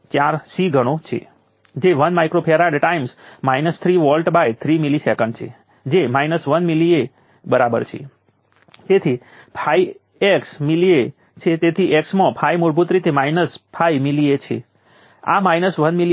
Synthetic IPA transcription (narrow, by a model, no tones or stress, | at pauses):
t͡ʃjaɾsiɡʱəɽ̃ot͡ʃʰḛ | d͡ʒeʋənmajkɾopʰeɾaɖʈaimsmajnəst̪ʰɾiʋɔlʈbajt̪ʰɾimilisekə̃ɳɖt͡ʃʰḛ | d͡ʒemajnəsʋənmilie | bəɾabə̰ɾt͡ʃʰḛ | t̪et̪ʰi | pʰai | eksmilie | t͡ʃʰet̪et̪ʰiʔeksmãpʰaimuɾbʱut̪ɾit̪emainəspʰaimiliet͡ʃʰḛ | a̰majnəsʋənmili